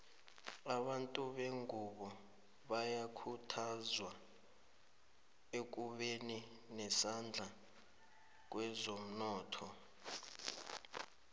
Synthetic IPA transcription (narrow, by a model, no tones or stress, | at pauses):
aɓantʼuɓeŋuɓɔ | ɓajakʰutʰazwa | ek̬ʼuɓeni | nɛsand͡ɮʱa | k̬wɛzom̩nɔːtʰɔ